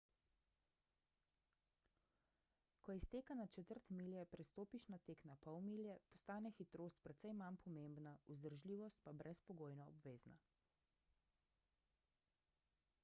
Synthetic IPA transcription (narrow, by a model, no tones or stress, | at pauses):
kɔjɛst̪eːkanat͡ʃɛt̪əɾt̪miljɛpɾɛst̪oːpiʃnat̪eːknapɔwmiljɛpɔst̪aːnɛxit̪ɾoːst̪̚pɾɛt̪sɛjmanpʰɔmembnauzd̪əɾʒliːʋɔst̪̚pabɾʔɛspɔɡoːjnɔɔbʋeːzna̰